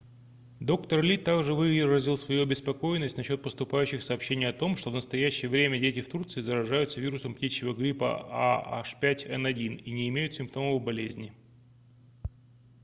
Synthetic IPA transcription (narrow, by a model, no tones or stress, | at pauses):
d̪o̞kt̪ərlʲit̪ːaɡʐɨvɨrəzʲɪlˠsvɐjuɐbʲɪspɐko̞jɪnːəsʲtʲnɐɕːo̞t̪̚pəst̪ʊpajʉɕːɪxsɐːpɕːenʲɪjəɐt̪o̞mʂt̪o̞vnəst̪ɐjæɕːɪjəvɾʲemʲədʲetʲɪft̪urt̪sɨɪzəɾɐʐajʊt̪səvʲiɾʊsəmptʲit͡ɕːɪvəɡɾʲipə̰a̰a̰ʂpʲætʲɛnɐdʲininʲɪɪmʲejʊt̪sʲɪmp̚t̪o̞məvəbɐlʲezʲnʲɪ